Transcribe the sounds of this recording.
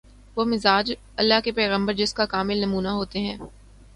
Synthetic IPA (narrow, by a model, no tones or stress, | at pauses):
ʋomɪzaːd͡ʒ | ɐlːaɦkepɛːɣə̃mbəɾd͡ʒɪskakaːmɪlnɐmuːnaɦoːt̪eɦɛ̃ː